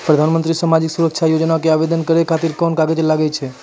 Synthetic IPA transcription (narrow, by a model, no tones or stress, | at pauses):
pɾəd̪ʱanmənt̪ɾisamad͡ʒiksuɾəkʃʰajod͡ʒnakeaʋed̪ənkəɾekʰat̪iɾkɔnkaɡed͡ʒelaɡet͡ʃʰe